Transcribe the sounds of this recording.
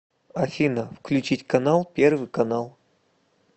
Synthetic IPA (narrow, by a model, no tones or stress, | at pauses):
ɐfʲinəfklʲʉt͡ɕitʲkɐnalˠpʲervɨjkɐnalˠ